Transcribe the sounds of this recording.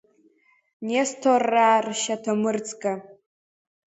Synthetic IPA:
nestʰorːaːrʃatʰamɨrt͡sʼkʼa

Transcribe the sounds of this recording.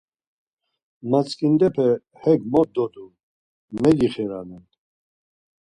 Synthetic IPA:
mat͡skʼind̪ɛpʰɛ | hɛɡmɔt̪̚d̪ɔd̪u | mɛɡiχɛɾa̰nɛn

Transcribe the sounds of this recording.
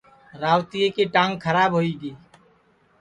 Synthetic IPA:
ɾaːwt̪ijekiʈãːŋɡkʰəɾaːbɦoiɡiː

